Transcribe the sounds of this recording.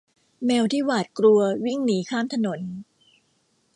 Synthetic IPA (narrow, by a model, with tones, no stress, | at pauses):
mɛː˧wt̪ʰiː˥˩waː˨˩t̪̚kɾu˧ɐwi˥˩ŋniː˩˦kʰaː˥˩mt̪ʰa˧no˩˦n